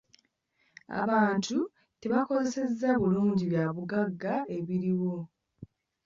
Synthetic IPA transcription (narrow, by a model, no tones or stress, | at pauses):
a̰βaːntʰu | te̞βako̞ze̞se̞zːaβuluːɲɟiβjaβuɡaɡːae̞βiɾiwo̞